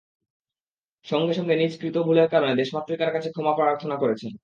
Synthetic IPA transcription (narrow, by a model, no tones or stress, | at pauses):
ʃɔŋɡeʃɔŋɡenid͡ʑkɾit̪obʱuleɾkaɾoned̪eʃmat̪ːɾikaɾkat͡ɕʰekʰɔmapɾaɾaɾt̪ʰonakoɾet͡ɕʰen